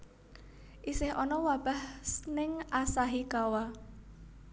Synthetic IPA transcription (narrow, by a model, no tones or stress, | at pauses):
ʔisɪhʔɔnɔwab̥a̤hsnɪŋʔasaɦikawa